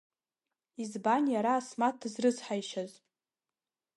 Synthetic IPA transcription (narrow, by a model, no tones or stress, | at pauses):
izbanjaɾaːsmat̚ɨzrɨzħajʃaz